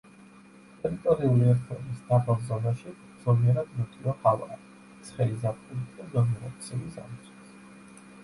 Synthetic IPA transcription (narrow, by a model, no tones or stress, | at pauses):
t̪ʼɛɾit̪ʼɔɾiuliɛɾt̪ʰɛ̰ɾmisd̪abʼalˠzɔnaʃi | d̪zɔliɛɾad̪nɔt̪ʼivahava̰ | t̪sʰχɛlizapχʼulit̪ʰd̪ad̪ɔmiɾat̪sʰilisa̰mt̪sʰʼɛ̥s